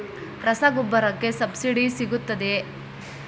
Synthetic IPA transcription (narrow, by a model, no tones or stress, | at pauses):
ɾɐsaɡubːɐɾɐkːe̞sɐbsiɖisiɡut̪ːɐd̪e